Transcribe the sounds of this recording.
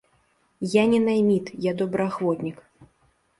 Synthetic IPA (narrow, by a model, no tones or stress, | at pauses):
janʲɛnajmʲit̪jad̪ɔbɾɨaxvɔt̪nʲik